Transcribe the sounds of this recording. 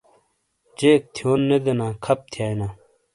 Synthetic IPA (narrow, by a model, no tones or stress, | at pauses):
d͡ʑeːk̚t̪ʰjoːnːed̪enãːkʰɐp̚t̪ʰijaːjnaː